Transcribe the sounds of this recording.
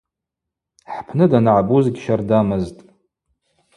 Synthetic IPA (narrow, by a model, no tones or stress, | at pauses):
ħpʰnɨdanʕabuzɡʲʃardamɨztʼ